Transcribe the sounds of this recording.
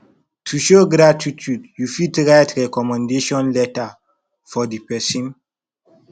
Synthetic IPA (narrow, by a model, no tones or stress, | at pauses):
tʰuʃoɡɾatitʰjudjufitɹajtɹɛkɔmãndeʃɔ̃nlɛta | fɔdipɛsĩn